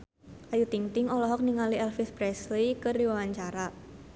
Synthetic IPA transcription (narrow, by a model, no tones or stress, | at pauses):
ʔajut̪iŋt̪ɪŋɔlɔɦɔk̚niŋaliɛlfispɾɛslikərdiwawaɲt͡ʃaɾa